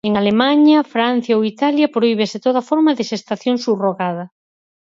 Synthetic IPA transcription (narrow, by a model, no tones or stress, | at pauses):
eŋalemãɲɐfɾan̟θjaowit̪aljɐpɾoiβeset̪oðɐfoɾmɐðɪʃest̪aθjoŋsuβroɣað̞ɐ